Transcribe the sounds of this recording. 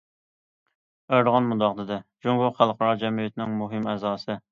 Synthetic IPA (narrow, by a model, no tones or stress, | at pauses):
æɾəʁɑnmud̪ɑqd̪ɨd̪ɛd͡ʒuŋɡʊχælˠqɑɾɑd͡ʒɛmijet̪nɪŋmuɦɪmɛzɑːsɨ